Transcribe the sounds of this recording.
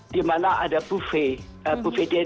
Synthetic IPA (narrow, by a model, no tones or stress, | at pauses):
dimanaʔadapufepufediɛ